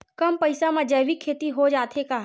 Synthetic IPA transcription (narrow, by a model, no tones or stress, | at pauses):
kɐmpəɪsamãd͡ʒɐːbikʰːeːt̪iɦod͡ʒaːt̪ʰeka